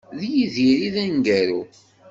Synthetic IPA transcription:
ðjiðiɾiðænɡæɾu

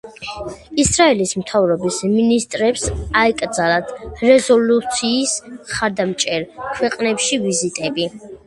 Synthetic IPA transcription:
isɾaɛlismt̪ʰavɾɔbisminist̪ʼɾɛpsaɛkʼɾd̪zalat̪ʰɾɛzɔlut̪sʰiːsχaɾd̪amt͡ʃʼɛɾkʰwɛqʼnɛpʃivizit̪ʼɛbi

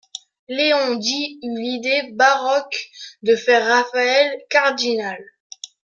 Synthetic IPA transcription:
leɔ̃d̪iylid̪ebaʁɔkd̪əfɛʁːafaɛlkaʁd̪inal

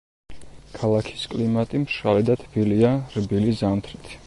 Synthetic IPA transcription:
kʰalˠakʰi̥skʼlimat̪ʼimʃalɛd̪at̪ʰbiliaɾbilizamt̪ʰɾit̪ʰ

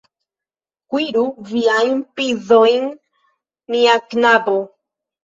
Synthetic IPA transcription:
kwiɾuviajmpiðojŋ | miaknabo

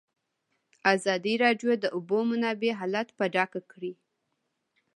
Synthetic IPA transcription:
azɑd̪iɾɑɖjod̪əʔʊbomʊnɑbeɦɑlat̪paɖɑkakɽi

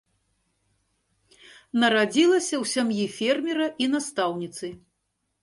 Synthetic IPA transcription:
nɐɾad͡zʲilˠɐsʲɐwsʲamjifʲermʲiɾɐʔinast̪awnʲit̪sɨ

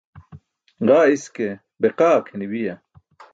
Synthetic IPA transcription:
ʁaːiske | beqaːkʰeniwija

